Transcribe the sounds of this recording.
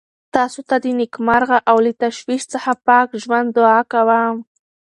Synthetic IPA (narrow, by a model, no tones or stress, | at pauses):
t̪ɑsot̪ad̪ənɪkmaɾɣaʔawlit̪aʃwiʃt͡səxapɑkʒwand̪d̪ːʊɑkawam